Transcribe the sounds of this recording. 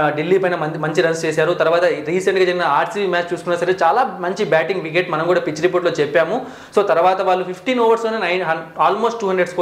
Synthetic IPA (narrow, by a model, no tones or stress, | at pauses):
ɖilːiːpɐjnɐɐmɐɲt͡ʃiɾɐnst͡ʃeːsaːɾut̪ɐɾuʋaːt̪ɐɾiːsɐɳʈɡaːd͡ʒɐɾinɐaːɾʈsiʋiːmaːt͡ʃt͡ʃuːsukunːɐːsɐɾet͡ʃaːlaːmɐɲt͡ʃibaːʈiŋɡʋik̬eʈmɐnɐmkuːɽaːpit͡ʃɾip̬oːʈloːt͡ʃɛpːaːmu | so̞ːt̪ɐɾuʋaːt̪ɐʋaːɭːupʰipʰʈiːnoːʋɐɾsloːnenɐjɦɐaːlmo̞ːsʈʈuːɦɐɳɖɾeɖsko